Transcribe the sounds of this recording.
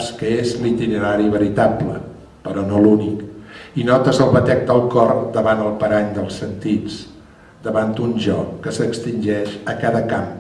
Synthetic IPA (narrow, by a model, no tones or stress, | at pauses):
skəezlit̪inəɾaɾiβəɾit̪ablə̰ | pəɾɔnolunikinɔt̪əzəlˠβət̪ɛk̚t̪əlˠkɔrd̪əβanəlˠpəɾaɲd̪əlˠsənt̪it͡s | d̪əβant̪unʒɔkːəsəkst̪inʲʒɛʃəkaðəkam